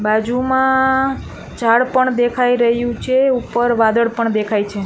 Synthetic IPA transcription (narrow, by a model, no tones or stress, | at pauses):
bad͡ʒumã | t͡ʃaɽpəɳd̪ekʰaiɾəɦjũt͡ʃʰeupəɾʋad̪əɽpəɳd̪ekʰajt͡ʃʰe